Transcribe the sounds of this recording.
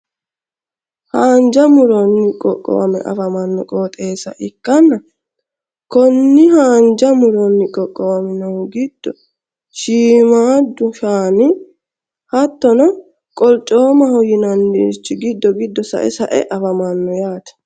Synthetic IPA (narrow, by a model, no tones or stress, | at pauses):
haːnd͡ʒɐmʊɾɔnːɪkʼɔ̰kʼːɔ̰wɐ̰mɛ̰ʔɐ̰fɐmɐnːɔkʼoːt̪ʼe̞ːsɐʔɪkːɐnːɐ | kɔnːɪhaːnd͡ʒɐmʊɾɔnːɪkʼɔkʼːɔwɐmɪnɔwɡɪd̪̥ːɔ | ʃiːmaːd̪ʊʃaːnɪ | hɐt̪ːɔnɐ | kʼɔlt͡ʃʼːoːmɐhɔjɪnɐndit͡ʃːɪɡɪd̪ːɔɡɪd̪ːɔsɐ̰ʔɛ̰sɐʔɛ̰ʔɐfɐmɐnːɔjaːt̪ɐ̥